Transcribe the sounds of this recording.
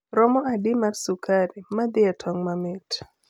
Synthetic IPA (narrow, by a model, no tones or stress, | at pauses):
ɾɔmɔadɪmarsukaɾimad̪ɪatʰɔŋmamɪt